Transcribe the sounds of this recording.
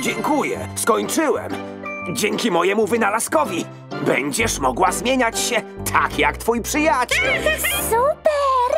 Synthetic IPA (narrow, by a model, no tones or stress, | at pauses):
d͡ʑɛŋkujɛ̰skɔɲt͡ʂɘwɛ̰m | d͡ʑɛŋkʲimɔjɛmuvɘnalaskɔvʲi | bɛɲd͡ʑɛʂmɔɡwazmʲjeɲat͡ɕɕɛ | t̪ʰa̰kjakt̪fujpʂɘjat͡ɕɛlsupɛɾ